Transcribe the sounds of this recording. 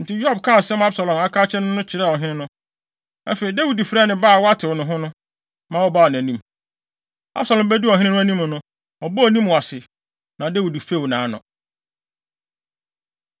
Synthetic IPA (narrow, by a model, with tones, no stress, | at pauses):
n̩˨tʰɪ˦jɔ˦˨bkʰa˦˨sɛ˦m˦a˦bsa˨lɔ̃˨ma˦kʰaː˦t͡ɕʰɛ˦nʊ̃˦nʊ̃˦t͡ɕʰɪ˨ɾa˦˨ɔ˨ɦɪ̃˦nɪ̃˦nʊ̃˦ | æ̰˦fe˨i˨dæ˦wi˨dfɾa˦˨nɪ̃˨baː˦˨wɔ˦a˦tʰɪ˨wɔ˨nʊ̃˨ɦʊ̃˦nʊ̃˦ | mã˦˨wɔ˦ba˦˨ɔ˨ñ˨æ̃˨nĩ˦m | a̰˦bsa˨lɔ̃˨mbæ˦du˦ɔ˨ɦɪ̃˦nɪ̃˦nʊ̃˦æ˦nĩ˦m˨nʊ̃˦ | ɔ˨bɔ˦˨nĩ˦m˨ɔ˨a˨sɪ˨ | nã˨dæ˦wi˨di˨fe˦˨wnãː˨˦nʊ̰̃˨